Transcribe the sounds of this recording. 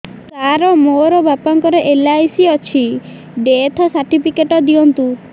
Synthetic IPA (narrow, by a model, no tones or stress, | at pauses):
t͡ʃaɾɔmoɾɔbapaŋkɔɾeʔelajsiɔt͡ʃʰi | ɖet̪ʰɔsaɾʈipʰikeʈɔd̪iɔnt̪u